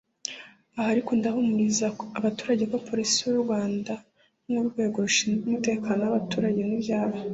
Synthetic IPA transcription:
ahaɾikundahumuɾizaːβatu̥ːɾaɟe̞kwapo̞ɾisijuɾuɾɡwaːnda | muɾɡwe̞ːɡo̞ɾuʃinumute̞ːkaːnoaβatuːɾaɟe̞nibjaːβo

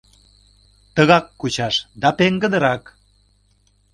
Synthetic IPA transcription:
t̪əɣɑkːut͡ɕɑʃd̪ɑpeŋɡə̆d̪ə̆ɾɑk

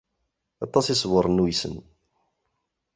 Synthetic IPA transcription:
ɑt̪ˤːɑsisˤwəɾˤnujsə̰n

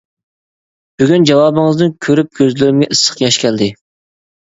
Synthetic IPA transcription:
b̥yɡʲynd͡ʒɑwɑːbɨŋɨzd̪nɨnkʲʰøɾyp̚kʲʰøzlɪɾɪmɡʲɛʔɨsːə̥qjɑʃkʲʰɛld̪ɪ

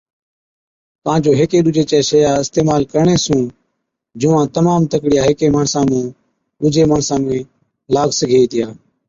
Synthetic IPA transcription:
p̪ãːd͡ʒoːɦeːkeːɗʊd͡ʒʱeːt͡ʃɛːsəjaːɪst̪eːmaːlkəɾɳeːsũː | d͡ʒʊːãːt̪əmaːmt̪əkɽɪjaːɦeːkeːmaːɳsãːmũː | ɗʊd͡ʒeːmaːɳsãːmẽː | laːɡsəɡʱeːiːt̪ɪjãː

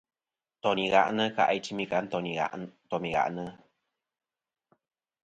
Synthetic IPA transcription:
t̪oniɣa̰ʔnəka̰ʔajt͡ʃimikant̪oniat̪omiɡa̰ʔnə

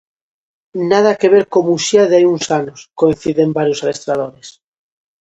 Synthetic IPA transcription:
nað̞ake̞βeɾkomuʃiaðajunsanoskoin̟θiðembaɾjosalest̪ɾað̞oɾes

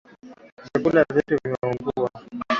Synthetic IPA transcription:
zakulazituvimauŋɡuwa

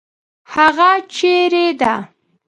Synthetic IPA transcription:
haɣat͡ʃeɾed̪a

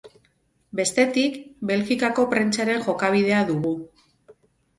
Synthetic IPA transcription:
be̞st̪e̞t̪ikbe̞lɣikako̞pɾent͡saɾe̞ŋxo̞kaβ̞ið̞e̞aðuɣu

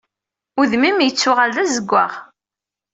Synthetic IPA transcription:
ʊðmimjət͡sːʊʁalːæzəɡʷːaʁ

